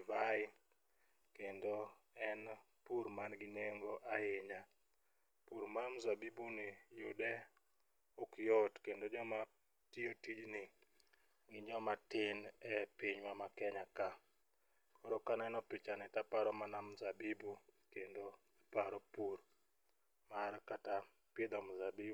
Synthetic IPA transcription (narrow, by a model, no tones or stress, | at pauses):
vaɪ | kendoɛnpuɾmanɡɪɲeŋɡoʔaɪɲa | puɾmamzabibunɪjʊ̰dɛ | ɔkjotkendod͡ʒɔma | tiotid͡ʒnɪ | ɡɪd͡ʒɔmatɪnɛpiɲwamakɛɲaka | kɔɾokanɛnɔpɪt͡ʃanɪtapaɾɔmanamzabibukendo | apaɾɔpuɾ | maɾkata | pɪd̪ɔmzabibu